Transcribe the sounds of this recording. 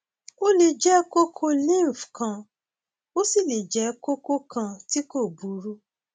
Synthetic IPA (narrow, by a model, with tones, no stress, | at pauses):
o˦le˧d͡ʒɛ˦ko˦kʰo˦lĩ˦˨fkã˧ | o˦si˦˨le˨d͡ʒɛ˨˦ko˦ko˦kã˧ti˦ko˦˨bu˨˦ɾu˦